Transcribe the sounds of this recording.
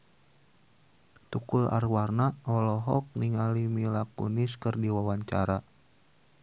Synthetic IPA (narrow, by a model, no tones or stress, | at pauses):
t̪ukula̰rwarnaɔlɔɦɔk̚niŋalimilakṵniskɨrdiwawaɲt͡ʃa̰ɾa